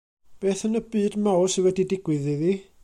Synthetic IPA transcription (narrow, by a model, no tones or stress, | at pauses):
b̥eːθənəbɨːdmawsɪwɛdidɪɡwɨðiði